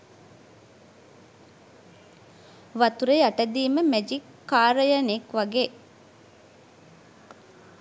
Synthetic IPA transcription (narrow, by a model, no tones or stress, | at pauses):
ʋat̪uɾejaʈəd̪iːməmæd͡ʒikːaːɾəjənekʋaɡeː